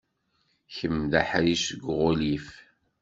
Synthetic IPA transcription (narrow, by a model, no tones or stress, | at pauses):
çəmðaħɾiʃəɡʷʁʊlif